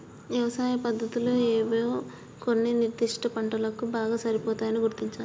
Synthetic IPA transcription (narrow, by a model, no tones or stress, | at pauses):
ʋjɐʋɐsaːjɐpɐd̪ʱːɐt̪ulo̞ːeːʋoː | konːiniɾd̪iʂʈɐpɐɳʈɐlɐkubaːɡaːsɐɾipɔːt̪aːjɐniɡuɾt̪iɲt͡ʃaːlu